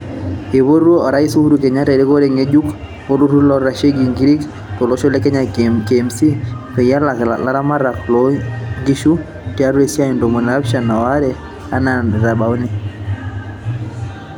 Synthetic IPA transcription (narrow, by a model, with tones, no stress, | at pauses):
e˨βo˦ɾwo˦ɔ˨ɾa˦i˦su˦hu˦ɾu˨kɛ˨ɲa˦tɛ˨ɾe˦ko˦ɾe˦˨ŋe˦d͡ʒu˦k | o˦lu˦ɾu˦lɔ˦ɾa˨ʃe˦ɡi˨ŋɡɾi˦k | to˨lɔ˦ʃo˦lɛ˦kɛ˦ɲa˨ke˨msi˦pɛ˨ja˦lla˦ɾa˦ma˦ɾa˨klɔ˦ŋɡi˦ʃu˦ | tja˦ɾwe˦sja˦i˨ndo˨mɔ˨n˨a˦pʃa˨na˨wa˦ɾɛ˨ | a˦na˨n˨ða˨ba˨o˦ne˨